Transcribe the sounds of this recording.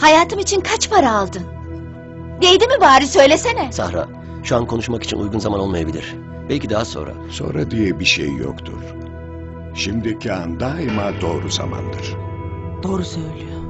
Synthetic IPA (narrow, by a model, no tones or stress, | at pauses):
hajaːt̪ʰɯmit͡ʃʰinkʰat͡ʃpʰaɾaːlˠd̪ɯn | d̪e̞jd̪imibaːɾisø̞jlʲesenɛsahɾa̰ | ʃuankʰo̞nuʃmaki̥t͡ʃʰinṵjɡunzamano̞lˠmajabilʲiɾ̥ | b̥ɛlʲcid̪aɦaso̞̰nɾa̰so̞̰nɾad̪ijɛbiʃḛjːo̰kt̪ʰṵɾ̥ | ʃimd̪icʰiand̪aimad̪o̞ːɾuza̰ma̰nd̪ɯɾ̥d̪̥o̞ːɾusøjlʲyjo